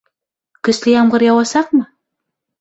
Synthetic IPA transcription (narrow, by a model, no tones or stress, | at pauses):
kɵ̆slʲɘjɑmʁɤɾjɑwɑsɑq̚mɤ